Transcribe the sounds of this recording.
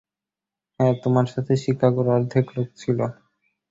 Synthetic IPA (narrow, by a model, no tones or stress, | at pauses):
ɛt̪omaɾʃat̪ʰeʃikʰːakoɾaɾd̪ʱeklokt͡ɕʰilo